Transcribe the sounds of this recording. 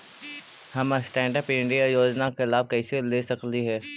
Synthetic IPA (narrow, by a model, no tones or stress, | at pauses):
hɐmsʈɛ̃ːɳɖəpɪ̃ɳɖijajoːd͡ʒnakɪlaːb̚kɛːseleːsɐkliɦɛː